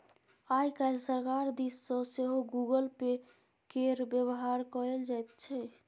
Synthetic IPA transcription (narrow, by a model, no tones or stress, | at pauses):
ajkaɪlsəɾkaɾd̪isːə̃seɦoɡuɡəlpe | keɾbjəβɦaɾkɔɾeld͡ʒajt̪̚t͡ʃʰɛ